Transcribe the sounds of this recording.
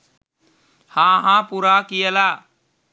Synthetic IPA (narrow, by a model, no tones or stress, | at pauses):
hãːɦãːpuːɾakijəlaː